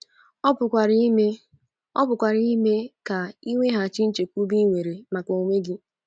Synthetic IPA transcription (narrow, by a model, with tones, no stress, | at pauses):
ɔ˦pʊ˨kʷa˨ɾme˦ | ɔ˦pʊ˨kʷa˨ɾi˦i˦me˦ka˨i˦ŋʷe˦ɦa˨t͡ʃi˦n̩˦t͡ʃe˨kʷu˦bi˦ŋʷe˨ɾe˨ma˨kɔ˨o˨ŋʷe˦ɡɪ˦